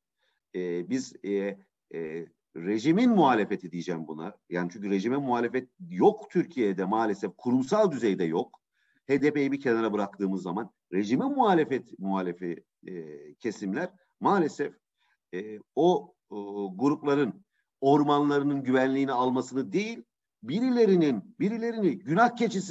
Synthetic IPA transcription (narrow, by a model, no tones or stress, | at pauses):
ɛbiz | ɾe̞ʒiminmuɦaːlʲe̞fe̞t̪ʰid̪ijd͡ʒɛmbuna̰jaːnit͡ʃʰyɲcyɾe̞ʒimɛmuhaːlʲe̞fɛt̪̚jokt̪ʰyɾcʰijed̪ɛmaːlʲe̞sɛfkʰuɾumsalˠd̪yzejd̪ɛjo̞k | heːd̪epejibicʰe̞naɾabɯɾak̚t̪ʰɯːmɯzːaman | ɾe̞ʒimɛmuɦaːlʲe̞fɛt̪muɦaːlʲe̞fi | cʰe̞simlʲæɾ̥ | maːlʲe̞sɛf | ɛːo | ɡuɾuplˠaɾɯn | o̞ɾmanlˠaɾɯnɯnɟyvænlʲiːnialˠmasɯnɯd̪e̞jilʲ | biɾilʲe̞ɾininbiɾilʲe̞ɾiniɟynahcʰe̞t͡ʃʰis